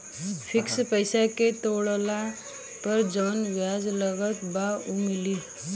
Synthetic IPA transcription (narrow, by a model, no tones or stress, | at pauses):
fʰikspəjsaket̪oɭla | pəɾd͡ʒəʋənʋjad͡zləɡət̪baumili